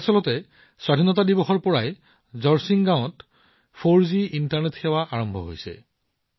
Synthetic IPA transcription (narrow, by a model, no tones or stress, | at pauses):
sɔlɔtɛ | swadʱinɔtadibɔxɔɹpɔɹaj | zɔɹsiŋɡãwɔ̃t | pʰoɹziʔintaɹnetxɛwaʔaɹɔmbʱɔ̰ɦo̰jsɛ̰